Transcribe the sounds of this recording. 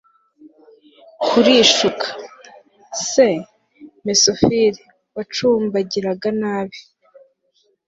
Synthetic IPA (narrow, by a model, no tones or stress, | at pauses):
kʰuɾiʃukʰḁ | se̞ | mesofiɾi | wat͡ʃuːmbaɟiɾaɡanaːβi